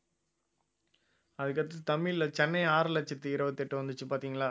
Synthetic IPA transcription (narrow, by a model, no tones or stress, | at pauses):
ɐðɯkːɐɾt̪ːɯt̪ɐmːɪlɐt͡ʃɛnːɐɪaːɾɐlɐt͡ʃːɪt̪ːɯɪɾɐʋɐt̪ːɛʈːɯʋɐnd̪ɯt͡ʃːɯpaːɾt̪iːŋɡɐɭaː